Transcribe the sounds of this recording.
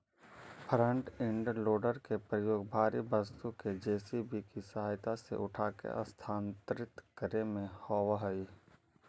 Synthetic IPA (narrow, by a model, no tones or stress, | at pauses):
pʰɾə̃ɳʈɪ̃ɳɖloːɖəɾkepɾəjoːɡbʱaːɾibəst̪uked͡ʒeːsibikisɐɦaːjt̪asḛʔʊʈʰaːkḛʔə̰st̪ʰaːnt̪ɾɪt̪kəɾemẽhɔːwaɦəi